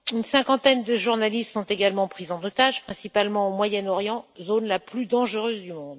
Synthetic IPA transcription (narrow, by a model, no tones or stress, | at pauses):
ynsɛ̃kɑ̃t̪ɛnd̪əʒuʁnalist̪sɔ̃t̪eɡalmɑ̃pχizɑ̃not̪aʒpχɛ̃sipalmɑ̃omwajɛnɔʁjɑ̃zonlaplyd̪ɑ̃ʒəʁøzd̪ymɔ̃d̪